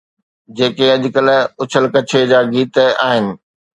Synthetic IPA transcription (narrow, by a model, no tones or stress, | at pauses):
d͡ʑeːkeɐʄʊkəlʊt͡ɕʰəlkɐt͡ɕʰed͡ʑaːɡiːt̪aːɦɪnɪ̆